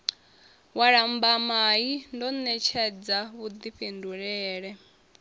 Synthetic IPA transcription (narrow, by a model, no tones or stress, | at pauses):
waɺambamaindɔnɛt͡ʃʰɛd͡zaβud̪iɸenduɺɛɛːɺɛ